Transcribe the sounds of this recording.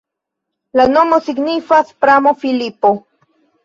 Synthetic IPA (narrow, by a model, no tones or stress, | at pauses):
lanomosiɡnifaspɾamofilipo